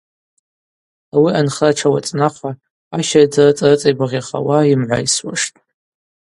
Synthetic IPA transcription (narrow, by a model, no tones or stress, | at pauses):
awianχaʈ͡ʂʰawa̰t͡sʼnaqʷʰa | aʃajd͡zarɨt͡sʼarɨt͡sʼajbaʁʲaχa̰waimʕʷa̰jswa̰ʂtʼ